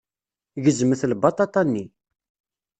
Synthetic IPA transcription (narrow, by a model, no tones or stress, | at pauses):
ʝəzməθlbɑt̪ˤɑt̪ˤɑnːi